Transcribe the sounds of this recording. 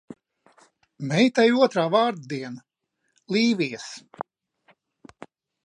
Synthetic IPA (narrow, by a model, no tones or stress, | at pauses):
mɛjt̪ajuɔt̪ɾaːvaːɾd̪d̪iɛna | lˠiːʋʲis